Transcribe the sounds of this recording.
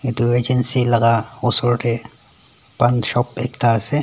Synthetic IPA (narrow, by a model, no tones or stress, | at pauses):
et̪ueːd͡ʒənsilɐɡaosoːʈe | pɐnʃɔːpḛːkt̪aːse